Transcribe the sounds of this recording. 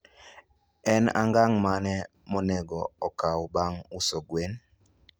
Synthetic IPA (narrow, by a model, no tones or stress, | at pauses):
ɛna̰ŋɡaŋmanɛ | monɛɡɔɔkawbaŋusoɡwen